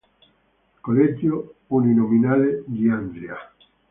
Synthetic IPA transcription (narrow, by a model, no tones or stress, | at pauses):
koled͡ʒjouninominaled̪iand̪ɾja